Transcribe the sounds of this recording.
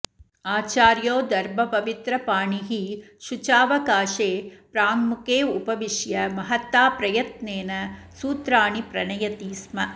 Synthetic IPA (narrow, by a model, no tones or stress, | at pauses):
aːt͡ʃaːɾjoːd̪ɐɾbʱɐpɐʋit̪ɾɐpaːɳiɦiʃut͡ʃaːʋɐkaːʃeːpɾaːŋmukeːupɐʋiʃjɐmɐɦɐt̪ːaːpɾɐjɐt̪neːnɐsuːt̪ɾaːɳipɾɐɳɐjɐt̪iːsmɐ